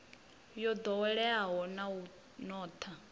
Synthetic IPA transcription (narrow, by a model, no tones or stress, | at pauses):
jɔd̪ɔwɛɺɛaɦɔnau | nɔːt̪ʰa